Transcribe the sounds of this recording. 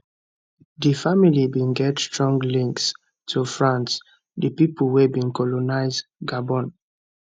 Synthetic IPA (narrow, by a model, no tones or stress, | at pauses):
difamilibĩnɡɛtstɹɔ̃ŋɡlĩŋks | tʰufɹãns | dəpipulwɛbĩnkɔlɔnaɪzɡabɔ̃n